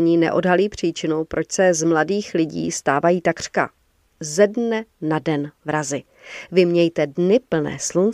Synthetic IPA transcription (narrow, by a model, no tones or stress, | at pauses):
ɲiːnɛ̰ʔo̞̰dɦaliːpr̝̥iːt͡ʃɪnowpɾʔo̞t͡ʃsɛzmladiːxlɪɟḭːst̪aːvajiːt̪akr̥ka̰ | zɛdnɛnadɛnvɾazɪ | vɪmɲɛjt̪ɛdnɪpl̩nɛ̰ːslun